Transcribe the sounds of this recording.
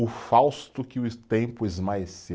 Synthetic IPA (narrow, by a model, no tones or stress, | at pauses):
ʊfawst̪ʊkɪʊt̪ẽpʊezmaese